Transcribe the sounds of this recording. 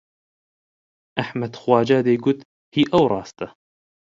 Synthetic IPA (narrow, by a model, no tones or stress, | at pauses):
ʔaħmad̪xwaːd͡ʒaːd̪ajɡʊt̪ | hiːʔawɾˤɑːst̪a